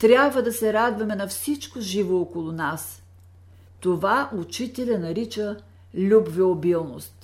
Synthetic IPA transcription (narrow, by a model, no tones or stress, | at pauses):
t̪ɾʲjabvəd̪ɐsɛɾad̪vɐmɛnɐfsit͡ʃkoʒivookolˠʊnas | t̪ovaʔut͡ʃit̪ɛlʲɐnɐɾit͡ʃə | lʲubvɛobilˠno̰st̪